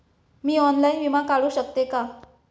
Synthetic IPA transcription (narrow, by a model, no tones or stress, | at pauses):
miːɔnlainʋimakaɭuːɕək̚t̪eka